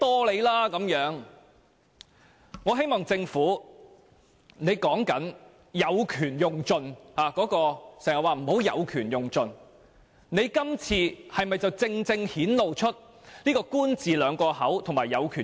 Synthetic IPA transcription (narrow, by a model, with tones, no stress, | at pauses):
t̪ɔː˥le˨˧jlaː˥kɐ˨˥mjœː˨˥ŋ | ŋɔː˨˧ɦe˥jmɔː˨˩ŋt͡sɪ˧ŋfuː˨˥ | ne˨˧jkɔː˨˥ŋkɐ˨˥n | jɐ˨˧wkʰyː˨˩njʊ˨˩ŋt͡sɵ˧nhaː˨˩kɔː˨˥kɔː˧sɛː˨˩ŋjɐ˨˩waː˨m̩˨˩ho˨˥wjɐ˨˧wkʰyː˨˩njʊ˨˩ŋt͡sɵ˨˧n | ne˨˧jkɐ˥mt͡sʰiː˧hɐ˨jmɐ˨jt͡sɐ˨wt͡sɪ˧ŋt͡sɪ˧ŋhiː˨˥nlo˨wt͡ʃʰɵ˥t̚ | liː˥kɔː˧kuː˥nt͡siː˨lœː˨˧ŋkɔː˧hɐ˨˥wt̪ʰŋmaː˨˩jːɐ˨˧wkʰyː˨˩